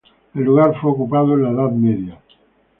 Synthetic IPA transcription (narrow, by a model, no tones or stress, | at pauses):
elːuɣaɾfweokupaðoẽlaeðaðmeðja